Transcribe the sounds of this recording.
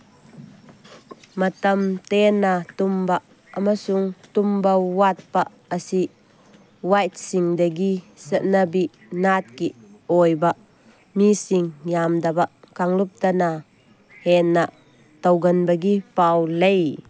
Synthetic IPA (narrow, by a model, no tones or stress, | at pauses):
mɐt̪ɐmt̪ɛnat̪umbaʔ | ɐmasuŋt̪umbɐwat̪̚paʔ | əsi | wajt̪̚siŋd̪ɐɡisəʔnabiʔ | nat̪̚kiʔɔːjbaʔ | misiŋjamd̪ɐbaʔ | kaŋlup̚t̪ɐna | hɛnaʔ | t̪ɐwɡɐnbɐɡipawlej